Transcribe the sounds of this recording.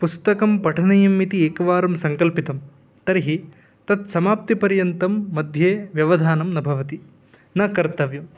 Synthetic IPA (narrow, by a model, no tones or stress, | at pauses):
pust̪ɐkɐmpɐʈʰɐnɐjɐmːit̪ieːkɐʋaːɾɐmsɐŋkɐlpit̪ɐm | t̪ɐɾiɦi | t̪ɐt̪̚sɐmaːp̚t̪ipɐɾjɐnt̪ɐmːɐd̪ʱjeːʋjɐʋɐd̪ʱaːnɐmnɐbʱɐʋɐt̪i | nɐkɐɾt̪ɐʋjɐm